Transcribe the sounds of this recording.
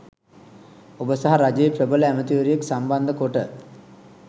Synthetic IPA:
obəsaɦaɾad͡ʒəjeprəbələæmət̪iʋəɾijeksamband̪əkoʈə

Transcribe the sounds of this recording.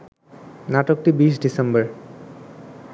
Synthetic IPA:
naʈok̚ʈibiʃ̬ɖisembəɾ

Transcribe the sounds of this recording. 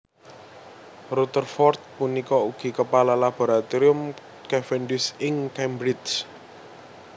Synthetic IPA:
rut̪ərfɔrt̪̚punikɔuɡ̥i̤kəpalalab̥o̤ɾat̪iɾʊm | kɛfɛnɖʊsɪŋkɛmbɾɪt͡ʃ

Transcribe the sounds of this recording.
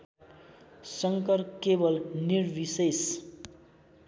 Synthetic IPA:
sʌŋkʌrkebʌlnirbises

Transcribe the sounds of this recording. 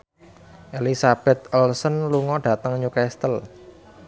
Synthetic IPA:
ʔelisab̥ɛ̤t̪̚ɔlsənluŋɔɖ̥ä̤t̪əŋɲukɛst̪əl

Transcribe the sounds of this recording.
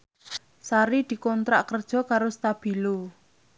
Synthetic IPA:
saɾid̪̥i̤kɔnt̪ɾaʔkərd̥ʒ̥ɔ̤kaɾost̪ab̥i̤lo

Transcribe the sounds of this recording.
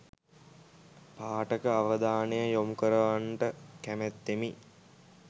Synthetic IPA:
paːʈəkəaʋəd̪aːnəjəjomukəɾəʋaɳʈəkæmæt̪ːemi

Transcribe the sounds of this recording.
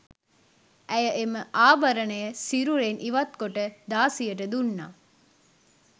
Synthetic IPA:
ʔæjəʔeməʔaːbɐɾɐnɐjəsiɾuɾeːnʔiʋɐt̪̚koʈəd̪aːsijəʈəd̪unːa̰ː

